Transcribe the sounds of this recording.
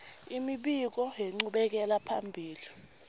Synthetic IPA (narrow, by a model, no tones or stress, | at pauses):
imiɓik̬ɔɦɛŋ͡ǀuɓɛk̬ɛlapʰa̰mbʱiːli